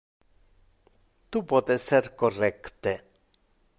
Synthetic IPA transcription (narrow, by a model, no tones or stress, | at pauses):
t̪upot̪eseɾkorɛkt̪e